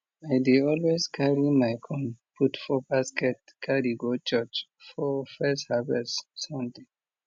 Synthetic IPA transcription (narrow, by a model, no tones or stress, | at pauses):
aɪdeɔlwezkʰaɹimaɪkʰɔ̃npʰutfɔbaskɛt̚kʰaɾiɡot͡ʃɛt͡ʃfɔfɛsthavɛssɔ̃mde